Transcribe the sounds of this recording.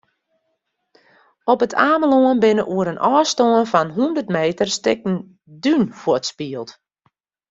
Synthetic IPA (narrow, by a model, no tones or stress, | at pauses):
ɔpətʰaːməloənbɪnəʔuəɾənʔɔːstoənfɔnɦundərtmeːtərstɪk̚n̩ | dynfʊətspiəlˠt